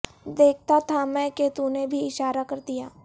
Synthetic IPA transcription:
d̪eːk̚ʰt̪at̪ʰamɛ̃ːket̪unebʱiɪʃaːɾakɐɾd̪ijaː

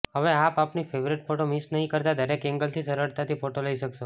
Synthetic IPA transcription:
ɦəʋeapapnifʰeʋɾiʈfʰoʈomisnəɦĩkəɾt̪ad̪əɾekɛ̃ŋɡəlt̪ʰisəɾəɾt̪at̪ifoʈoləiʃəkʃo

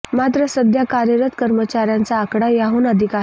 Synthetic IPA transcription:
mat̪ɾəsəd̪ʱjakaɾjəɾət̪kəɾmət͡ɕaɾjant͡saːkɽajaɦuːnəd̪ʱika

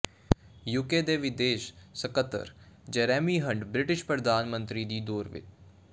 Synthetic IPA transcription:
juːkeːd̪eːʋɪd̪eːʃsəkət̪ːə̰ɾd͡ʒɛːɾɛːmiːɦə̃ɳɖbɾɪʈɪʃpɾəd̪aːnmə̃nt̪ɾiːd̪iːd̪oːɾʋɪ̰t͡ʃ

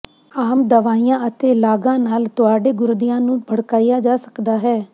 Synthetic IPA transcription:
aːmd̪əʋaːijãːət̪eːlaːɡãːnaːlt̪ʊaːɖeːɡʊɾd̪ijãːnũːbʱəɽkaːijaːd͡ʒaːsə̥kd̪aːɦɛː

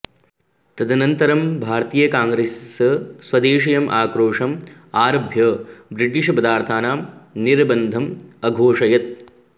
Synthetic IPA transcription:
t̪ɐd̪ʱɐnɐnt̪ɐɾɐmbʱaːɾt̪iːjɐkaːŋɡɾessɐsʋɐd̪eːʃɐjɐmʔaːkɾoːʂɐm | aːɾɐbʱjɐbɾiʈ̬iʂɐpɐd̪aːɾt̪ʰaːnaːmniɾbɐnd̪ʱɐmɐɡʱoːʂɐjɐt̪̚

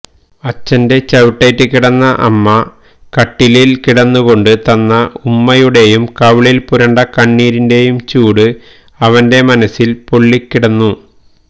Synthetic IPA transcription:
ɐt͡ɕːɐnde̞t͡ɕɐʋiʈːɐjtːɨkiɽɐnːɐʔɐ̰mːɐ | kɐʈːililkiɽɐnːuɣo̞ɳɖɨt̪ɐnːɐumːɐjuɽe̞jumkɐʋɭilpuɾɐɳɖɐkɐɳːiːɾinde̞jumt͡ɕuːɽɨ | ɐʋɐnde̞mɐnɐsːilpo̞ɭːikːiɽɐnːu

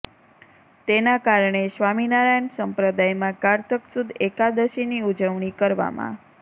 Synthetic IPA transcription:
t̪enakaɾɳeʃʋaminaɾajənsəmpɾəd̪ajmãkaɾt̪ʰəksud̪ʱekad̪əʃiniud͡ʒəʋɳ̃ikəɾʋa̰mã̰

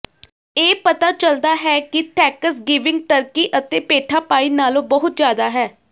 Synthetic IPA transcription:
eːpət̪aːt͡ʃəld̪aːɦɛːkɪt̪ʰɛːkəsɡɪʋɪ̃ŋɡ̚ʈəɾkiːʔət̪ẽːpeːʈʰaːpaːiːnaːlõːbəɦʊt̪zjaːd̪aːɦɛː

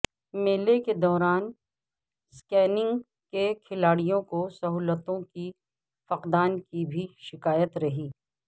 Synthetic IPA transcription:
meːleked̪ɔːɾaːn | skɛːnɪ̃ŋɡ | kekʰɪlaːɽijõkosɐɦuːlət̪õki | fɐqd̪aːnkibʱiʃɪkaːjət̪ɾɐɦiː

